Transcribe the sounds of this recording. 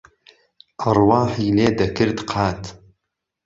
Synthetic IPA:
ʔɑrwɑːħiːleːd̪ɐkɨɾd̪qʰɑːt̪

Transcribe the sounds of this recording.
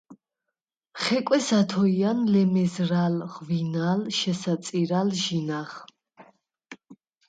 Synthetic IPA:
χɛkʼwɛsat̪ʰɔianlɛmɛzɾalʁvinalʃɛsat̪sʼiɾalʒinaχ

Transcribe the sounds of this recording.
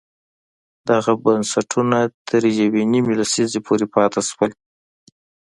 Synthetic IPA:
d̪̥aɣabansaʈʰunat̪ʰəɾjawenimelasizepʰoɾepɑt̪ʰaswəl

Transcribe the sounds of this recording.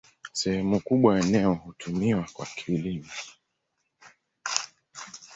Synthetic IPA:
sɛhɛmukuɓwaɛnɛɔhutʰumiwakwa̰kʰiːlimɔ

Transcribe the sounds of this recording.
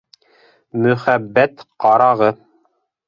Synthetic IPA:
mɵ̆χæbːæt̪qɑɾɑʁɤ

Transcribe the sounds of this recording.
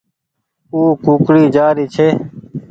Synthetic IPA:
uːkuːkɽiːd͡ʒaːɾiːt͡ʃʰeː

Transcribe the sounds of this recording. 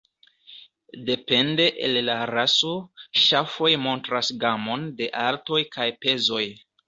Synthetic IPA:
de̞pe̞nde̞ʔelːaɾaso̞ʃafo̞jmo̞ntɾasɡamo̞nde̞ʔalto̞jkajpe̞zo̞j

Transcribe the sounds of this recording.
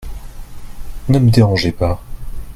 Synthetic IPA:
nəməd̪eʁɑ̃ʒepa

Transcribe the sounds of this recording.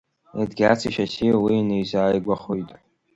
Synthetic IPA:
adɡʲat͡sʰiʃasiwinejzaːjɡʷaχojtʼ

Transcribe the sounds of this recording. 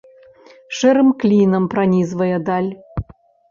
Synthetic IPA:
ʃɛɾɨmklʲinəmpɾɐnʲizvɐjəd̪ɑlʲ

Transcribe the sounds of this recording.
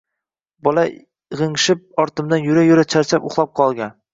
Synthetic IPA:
bɒla | ʁɨŋʃɪp̚ɒɾt̪ʰɪmd̪anjʊɾajʊɾat͡ʃʰaɾt͡ʃʰapoχlˠɒp̚qʰɒlˠɡʲan

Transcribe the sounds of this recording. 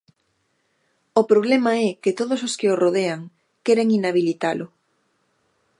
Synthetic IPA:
opɾoβ̞lɛmɐɛkɪt̪oðososkɪoroðeaŋ | kɛɾeŋinaβ̞ilit̪alʊ

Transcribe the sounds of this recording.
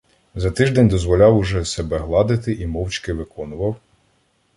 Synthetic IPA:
zɐt̪ɪʒd̪ɛnʲd̪ɔzʋɔlʲɑwʊʒɛsɛbɛɦlˠɑd̪ɪt̪ɪʔimɔwt͡ʃkɪʋɪkɔnʊʋɐw

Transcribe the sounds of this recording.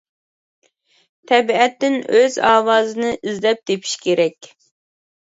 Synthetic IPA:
t̪ʰɛbiɛt̪ːɪnøzɑːwɑːzɨnɨʔizlɛp̚d̪epʰi̥ʃkʲʰeɾɛkʲ

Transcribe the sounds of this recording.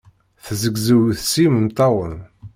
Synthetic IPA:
θzəɡzəwθsiməmt̪ˤɑwən

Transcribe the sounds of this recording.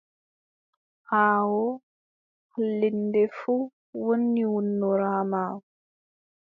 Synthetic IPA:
haːwɔ | klːindefu | wənːiwunːuɾhamaːw

